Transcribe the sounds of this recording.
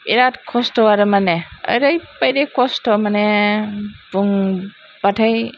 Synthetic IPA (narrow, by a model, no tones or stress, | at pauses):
iɾatkʰɔstɔwaɾɯmaneə̰jɾajpajɾekɔstɔmane | buŋ | b̥atʰaj